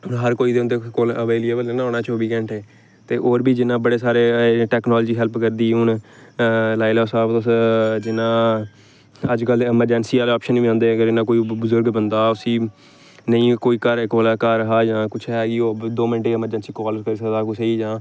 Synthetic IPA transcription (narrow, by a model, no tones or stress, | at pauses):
ʊnɦəɾkoːiːd̪eːʊ̃nd̪eːkoːləʋeːliːeːbəlenãːoːnãːt͡ʃoːbiːkɛ̃ːɳʈɛː | t̪eːʔoːɾbʱiːd͡ʒɪnːãːbəɽeːsaːɾeːʈɛːknɔːld͡ʒiːɦɛlpkəɾd̪iːɦʊn | laːɪlɛːsaːbt̪ʊsd͡ʒɪnːãː | əd͡ʒkəlɪməɾd͡ʒɛːnsiːaːlɔːpʃəniːãːnd̪eːəɡəɾɪnːãːkoːiːbəzʊɾɡbənd̪aːʊsiː | nəĩːkoːiːkəɾekoːlːkəɾːəɦaːd͡ʒãːkʊt͡ʃʰɦɛːɡiːoːd̪oːmɪnʈeːɪməɾd͡ʒɛnsiːkɔːlkəɾiːsəkd̪aːkʊt͡ʃʰəiːd͡ʒãː